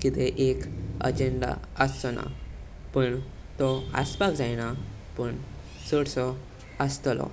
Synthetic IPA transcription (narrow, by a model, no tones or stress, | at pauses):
kit̪eʔekə̰d͡ʑeɳɖa̰əsɔna̰ | pəɳ | t̪ɔə̰spakd͡zajña | pəɳ | səɽsɔ | əst̪lɔ̰